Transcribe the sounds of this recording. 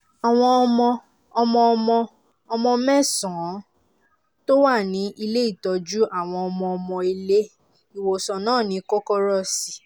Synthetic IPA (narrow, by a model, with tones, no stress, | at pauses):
a˨w̃ɔ̃˧ɔ˧mɔ̃˧ | ɔ˧mɔ̃˧ɔ˧mɔ̃˧ | ɔ˧mɔ̃˧mɛ̃˦˨sɔ̃˨˦ | to˦wa˦˨nĩ˨˦ʔi˧le˦i˦˨tɔ˧d͡ʒu˦ʔa˦˨w̃ɔ̃˧ɔ˧mɔ̃˧ɔ˧mɔ̃˧i˧le˦ | i˨wo˨sɔ̃˨nãː˦˨nĩ˨˦kɔ˦kɔ˦ɾɔ˦˨si˨